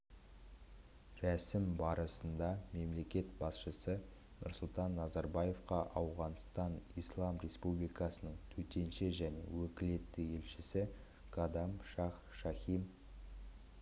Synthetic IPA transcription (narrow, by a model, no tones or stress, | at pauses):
ɾæsɪmbɑɾəsənd̪ɑme̞mle̞kʲe̞t̪bɑsʃəsə | nʔʊ̰ɾsʊlˠt̪ɑnːɑzɑɾbɑje̞fqɑʔɑwʁɑnst̪ɑnijslˠɑmɾʲe̞spublijkɑsənəɴt̪ʰɵt̪e̞nʃeʒæne̞̰wɵkʲɪle̞t̪ːɪe̞lʃɪsɪ | ɡɑd̪ɑmʃɑχ | ʃɑχʲijm